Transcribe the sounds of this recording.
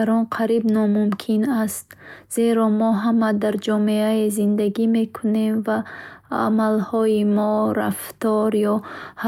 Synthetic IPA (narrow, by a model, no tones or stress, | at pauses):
aɾɔnqʰaɾibnɔmumkʰinast̪z̥e̞ɾɔmɔɦamad̪aɾd͡ʒɔmeaezind̪aɡime̞kʰune̞mvaa̰malhɔimɔɾa̰ft̪ɔɾjɔha